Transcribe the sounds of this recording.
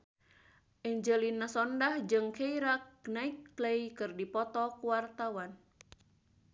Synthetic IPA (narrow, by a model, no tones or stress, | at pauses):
ʔɛɲd͡ʒəlinːasɔndahd͡ʒɨŋkeiɾak̚naikːlejkɨrdipɔt̪ɔkuwart̪awan